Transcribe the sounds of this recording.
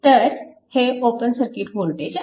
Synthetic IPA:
t̪əɾ | heopənsəɾkiʈʋolʈ̪ed͡ʑ

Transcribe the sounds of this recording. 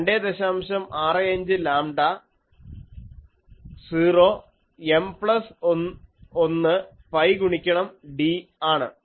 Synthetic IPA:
ɳɖed̪eɕaːmɕɐmaːrɨɐɲd͡ʑɨlaːmɖɐ | siːroː | empɭɐsoonːɨ | pɐjɡuɳikʲːɐɳɐmɖiaːɳɨ̰

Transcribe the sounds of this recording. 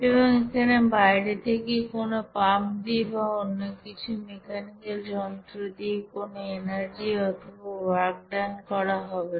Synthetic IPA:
eβɔŋekʰanebajɾet̪ʰekejkonopamd̪ibaonːokit͡ɕʰumekanikeld͡ʑɔnt̪ɾod̪ikonoenaɾd͡ʑiɔt̪ʰobawaɾk̚ɖankɔɾaɦɔbe

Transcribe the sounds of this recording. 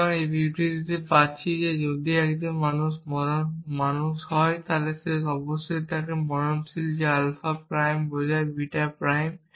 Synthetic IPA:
kɔnebʱiʈid̪it̪epatːʃʰized͡ʒod̪iɛkdinmanusmɔɾɔnmanusɦɔjt̪aleseɔbɔsoit̪akemɔɹɔnsild͡ʑealfapɾajmbɔzajbiʈapɾajm

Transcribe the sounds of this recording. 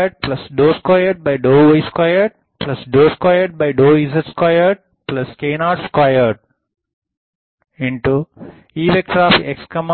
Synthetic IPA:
əɾɖ̚plɐsɖoːskwaɪəɾɖ̚baɪɖoːʋeɪskwajəɾɖ̚ | plɐsɖoːskwaɪəɾɖ̚baɪɖoːiːzəɾskwaɪəɾɖ̚ | plɐskeːnaːʈskwaɪəɾɖ̚ | ɪ̃ɳʈu | iːʋek̚ʈɾaːfekskəm

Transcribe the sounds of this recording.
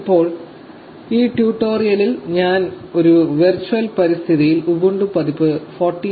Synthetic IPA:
pːo̞ːɭ | iːʈjuːʈːo̞ːrijɐlilɲaːn | o̞ɾuʋirt͡ɕːuʋɐlpɐɾist̪ʰiðijilubuɳɖupɐðipːɨforʈːi

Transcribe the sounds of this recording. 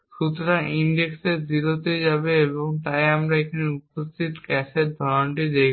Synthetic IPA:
ʃut̪ɾaʔiɳɖekseɾd̪iɾot̪ed͡ʑabeeboŋt̪ajamɾaekʰaneupost̪ʰit̪kɛseɾd̪ʱɔɾonʈid̪ej

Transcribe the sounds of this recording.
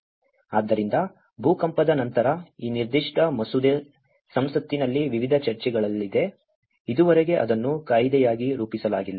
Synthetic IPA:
aːd̪ːɐɾind̪ɐ | bʱuːkɐmpɐd̪ɐnɐnt̪ɐɾɐiːniɾd̪iʂʈɐmɐsud̪e | sɐmsɐt̪ːinɐlːiʋiʋid̪ʱɐt͡ʃɐɾt͡ʃɛɡɐɭɐlːid̪e̞ | id̪uʋɐɾɛɡe̞ʔɐ̰d̪ɐnːukaːjd̪ɛjaːɡiɾuːpisɐlaːɡilːɐ

